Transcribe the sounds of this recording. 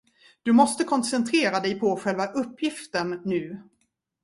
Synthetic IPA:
d̪̥ɵmɔst̪əkʰɔnsɛnt̪ʰɾeːɾad̪ɛjpʰɔɧɛlvaʔɵpːjɪft̪əɳːʉ̟ː

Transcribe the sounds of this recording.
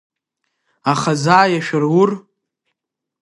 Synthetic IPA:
aχazaːjaʃᶣʊrwʊr

